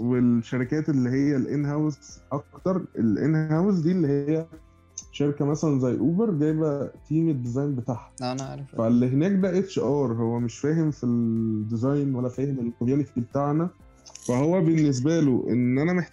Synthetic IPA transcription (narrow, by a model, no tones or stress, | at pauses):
welʃæɾikæːt̪elːiɦejːælʔḛnɦæwzʔɑkt̪ɑɾˤʔelʔḛnhhæwzd̪iːelːihejːæ | ʃeɾikæmæsælænzæjːʔuːbeɾɡæjbæt̪iːmed̪ːezɑjmbet̪aːħæ̥fælːiɦenæːk̚bæʔet̪ʃeʔɑːɾˤɦowːæmeʃfæːɦemfild̪izɑjnwælːæfæːhemekoæːnifibet̪aʕnæ | fæhowːæbenːes̬bæloʔḛnːʔænæmeħ